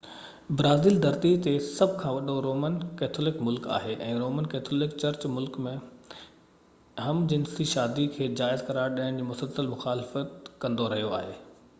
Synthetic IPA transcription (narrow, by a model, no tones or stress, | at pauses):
bɾaːziːld̪ɐɾt̪it̪esɐbʱkʰãːʋɐɗoɾoːmənkɛːt̪ʰolɪkmʊlka̰ːɦeʔɛ̃ːɾoːmənkɛːt̪ʰolɪkt͡ɕɐɾt͡ɕmʊlkmẽ | ɦɐmd͡ʑɪ̃nsiʃaːd̪ikʰeːd͡ʑaːɪzkɐɾaːɾɗaːɦɪɽ̃d͡ʑiːmʊsəlsəlmʊxaːlɪfət̪kɐ̃nd̪oɾɐɦijoaːɦeː